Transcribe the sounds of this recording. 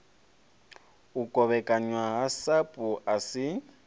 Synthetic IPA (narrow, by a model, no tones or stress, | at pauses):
ukʼɔβɛkʼaɲwaɦasapʼuʔasɪ